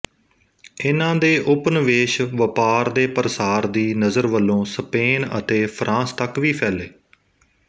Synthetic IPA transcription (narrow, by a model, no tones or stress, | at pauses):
ɪnãːd̪eːʔʊpnʋeːʃʋəpaːɾd̪eːpəɾsaːɾd̪iːnəzəɾʋəlːõːspeːnə̰t̪eːpʰɾʔãːst̪əkʋiːpʰɛːleː